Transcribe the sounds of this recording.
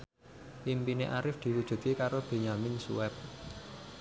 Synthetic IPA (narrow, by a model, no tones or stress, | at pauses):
ʔimpineʔaɾɪfd̪̥i̤wud̥ʒ̥ṳt̪̚kekaɾob̥e̤ɲamɪnsṵwɛp̚